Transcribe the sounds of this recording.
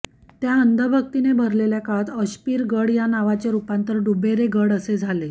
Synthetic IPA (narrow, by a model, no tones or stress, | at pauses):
t̪jaənd̪ʱəbʱək̚t̪inebʱəɾleljakat̪əɕpiːɾɡəɽjanaʋat͡ɕjaɾupãnt̪əɾɖubeɾeɡəɽəsed͡zʱale